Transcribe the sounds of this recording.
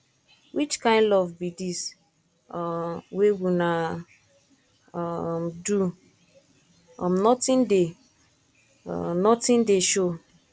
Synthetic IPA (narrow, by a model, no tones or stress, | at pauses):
wit͡ʃkãɪ̃ndɔvbidis | wewuna | du | ɔm̩nɔtɪ̃nde | nɔtɪ̃ndeʃo